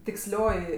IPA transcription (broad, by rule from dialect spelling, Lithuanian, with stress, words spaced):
tʲɪksʲˈlʲoːjɪ